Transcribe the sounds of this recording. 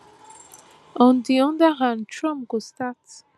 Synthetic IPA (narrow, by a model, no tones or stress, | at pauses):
ɔ̃ndiɔ̃ndəhãnd̚tʰɹɔ̃mpɡostat